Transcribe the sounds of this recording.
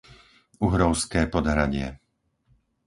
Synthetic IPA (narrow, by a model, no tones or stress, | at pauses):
uɦɾɔʊskɛːpɔd̪ɦɾaɟɪɛ